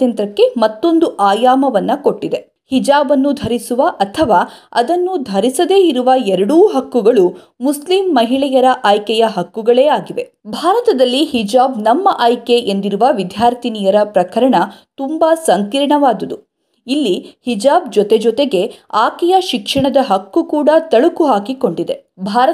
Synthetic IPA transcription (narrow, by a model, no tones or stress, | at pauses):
jɐnt̪ɾɐkːe̞mɐt̪ːo̞nd̪uʔaːjaːmɐʋɐnːɐko̞ʈːid̪e̞ | hid͡ʒaːbɐnːud̪ʱɐɾisuʋɐʔɐt̪ʰɐʋaːɐ̰d̪ɐnːud̪ʱɐɾisɐd̪e̞ːiɾuʋɐɛɾɐɽuːɦɐkːuɡɐɭu | muslimːɐɦiɭɛjɐɾɐʔaːjkɛjɐɦɐkːuɡɐɭe̞ːaːɡiʋe̞ | bʱaːɾɐt̪ɐd̪ɐlːihid͡ʒaːbnɐmːɐʔaːjkeʔend̪iɾuʋɐʋid̪ʱjaːɾt̪ʰiniːjɐɾɐpɾɐkɐɾɐɳɐt̪umbasɐŋkiːɾɐɳɐʋaːd̪ɐd̪u | ilːihid͡ʒaːbd͡ʒɔt̪ed͡ʒɔt̪e̞ɡe̞aːkɛjɐʃikʂɐɳɐd̪ɐɦɐkːukuːɽɐt̪ɐɭukuɦaːkiko̞ɳɖid̪e̞bʱaːɾɐ